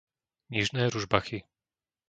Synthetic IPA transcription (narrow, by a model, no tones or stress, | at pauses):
ɲiʐnɛɾuʐbaxi